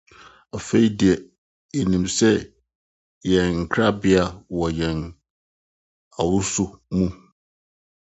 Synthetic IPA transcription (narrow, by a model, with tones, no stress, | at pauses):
a˨fe˦i˦di˨ɛ˨ | e˨nĩ˨msɛ˦ | jɛ̃˨nŋ̩˨kʰɾa˦bɪ˦a˨wɔ˨jɛ̃˨n | a˨wʊ˦sʊ˦mũ˦